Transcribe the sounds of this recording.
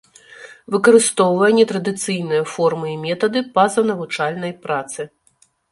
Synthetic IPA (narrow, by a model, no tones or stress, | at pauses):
vɨkɐɾɨst̪ɔwvɐjɛnʲɛt̪ɾɐd̪ɨt̪sɨjnɨjɐfɔrmɨimʲɛt̪ɐd̪ɨpɐzɐnɐvut͡ʂalʲnɐjpɾat̪sɨ